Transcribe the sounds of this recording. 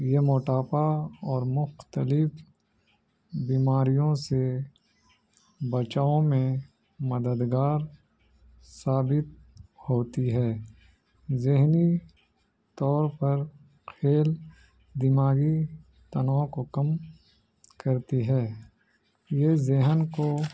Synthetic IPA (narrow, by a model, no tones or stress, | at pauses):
jemoːʈaːpaɔːɾmʊxt̪əlɪf | biːmaːɾijõse | bɐt͡ʃaːõmẽ | mɐd̪əd̪ɡaːɾ | saːbɪt̪̚hoːt̪iɦɛː | zɪɦni | t̪ɔːɾpɐɾ | kʰeːl | d̪imaːɡi | t̪ɐnakokɐm | kɐɾt̪iɦɛː | jezɪɦnko